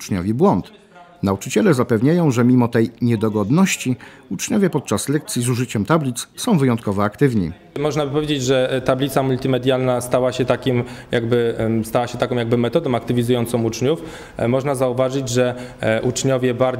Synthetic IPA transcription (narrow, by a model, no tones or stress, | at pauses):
t͡ʂɲɔ̰vʲɛbwɔnt̪ | naut͡ʂɘt͡ɕɛlɛzapɛvɲajɔ̃w̃ʐɛmʲimɔt̪ɛjɲɛd̪ɔɡɔd̪nɔɕt͡ɕi | ut͡ʂɲɔvʲjɛpɔt̪̚t͡ʂaslɛk̚t̪sʲjizuʐɘt͡ɕɛmt̪ablʲit̪ssɔ̃w̃vɘjɔnt̪̚kɔvɔakt̪ɘvɲḭ | mɔʐnabɘpɔvʲed͡ʑed͡ʑʐɛt̪ablʲit̪samult̪ʲimɛd̪ʲjalnast̪awaɕɛt̪akʲimjaɡbɘst̪awaɕɛt̪akɔ̃wjaɡ̚bɘmɛt̪ɔd̪ɔ̃w̃ak̚t̪ɘvʲizujɔnt̪sɔ̃mut͡ʂɲuf | mɔʐnazauvaʐɘd͡ʑʐɛʔut͡ʂɲɔvʲjɛbaɾ